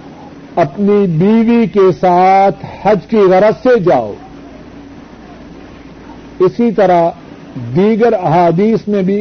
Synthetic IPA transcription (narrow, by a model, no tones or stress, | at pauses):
ɐpnibiːʋikesaːt̪ʰhɐd͡ʒkiɣɐɾət̪sed͡ʒaːo̰ː | ɪsit̪ɐɾa | d̪iːɡəɾɐɦaːd̪iːsmẽbʱi